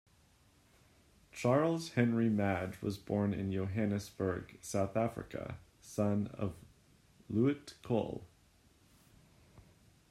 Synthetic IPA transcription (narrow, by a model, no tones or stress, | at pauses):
t͡ʃʰɑɹl̩ˠz̥hɛ̃nɹimæd͡ʒwʌ̰zbɔɹnɪ̰̃njoʊɦæ̃nɨsb̥ə˞ɡ̥saʊθæfɹɨ̰kɨ̰ | sʌ̃nʌ̰v | luɨtkʰo̰lˠ